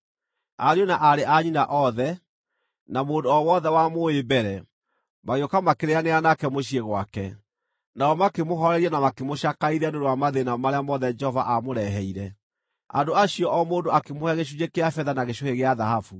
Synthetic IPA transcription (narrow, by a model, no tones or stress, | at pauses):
aɾionaʔaɾeʔaɲinaʔɔðɛ | namoːndoɔwɔðɛwamoebɛɾɛ | maɣeɔkamakeɾeaneanakɛmoɕieɣwakɛ | naɔmakemoɦɔɾɛɾiɛnamakemoʃakaiɾandoɾowamaðenamaɾeamɔðɛd͡ʒɛhɔvaʔamoɾɛɦɛiɾɛ | a̰ndoaɕiɔʔɔmoːndoakemohɛɣeʃ̬ud͡ʒekeafɛðanaɣeɕoheɣeaðahafu